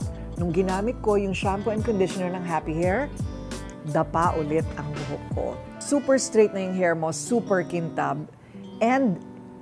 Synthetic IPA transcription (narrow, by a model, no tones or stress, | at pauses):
nʊŋɡɪnaːmɪt̪̚ko̞jʊŋʃampoɛnkond̪ɪʃonɛɹnɐŋɦapihɛɹ | d̪ɐpaʔʊlɛt̪ɐŋbʊɦo̰kkːo̰ | suːpɛɹst̪ɾejt̪̚nɐjʊŋɦɛɹmosuːpɛɹkɪnt̪a̰b | ʔɛnd̪